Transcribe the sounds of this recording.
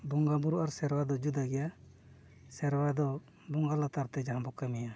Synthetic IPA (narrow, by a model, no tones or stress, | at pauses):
buŋɡabuɾuʔaɾsɛɾwad̪ɔd͡ʒud̪aɡɛja | sɛɾwad̪ɔ | buŋɡalat̪aɾt̪ɛd͡ʒaɦãbɔkamija